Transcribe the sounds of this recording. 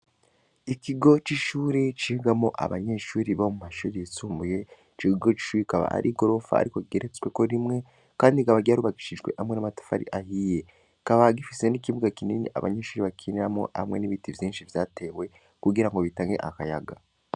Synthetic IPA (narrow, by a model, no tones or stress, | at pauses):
ikiɡo̞t͡ʃiʃuːɾit͡ʃiiɡamo̞ʔa̰βa̰ɲe̞ʃuːɾiβahomumaʃuːɾiet͡suːmbuje̞ | t͡ʃikiɡo̞t͡ʃi̥ʃuːɾikaβa̰ʔa̰ɾʔiɡo̞ɾo̞fa̰ːɾiko̞iɡeɾet͡swe̞ko̞ɾimŋe̞ | kaːndikaβaɟaɾuβaɡiʃiʒɡwe̞̰hamŋe̞namatḁfa̰ɾḭʔahije̞ | kaβaɡifise̞nikiβuɡakiniːniʔa̰βa̰ɲeʃuːɾiβakʰiniɾamo̞̰a̰mŋe̞niβitivjiːnʃivjaːte̞we̞ | kuɡiɾaŋɡo̞βitaːŋɡe̞̰ʔa̰kajaɡa